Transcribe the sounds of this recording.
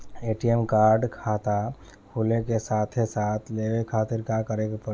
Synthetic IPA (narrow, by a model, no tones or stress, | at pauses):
eːʈiemkaːɾɖkʰaːt̪a | kʰulekesaːt̪ʰesaːt̪ʰleːʋekʰaːt̪ɪɾkakəɾekpə